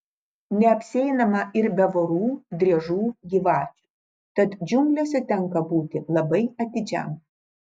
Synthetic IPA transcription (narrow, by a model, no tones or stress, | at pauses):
nʲɛɐpʲsʲɛɪnɐmɐʔɪɾbʲɛʋoɾuːd̪ʲɾʲiɛʒuːɡʲiːʋɑːt͡ʃʲu̥ | t̪ɐt̪d͡ʒʲʊmʲkʲlʲoːsʲɛt̪ʲɛŋˑkɐbuːt̪ʲɪlˠɐbɐɪɐt̪ʲɪd͡ʒʲɛ̰m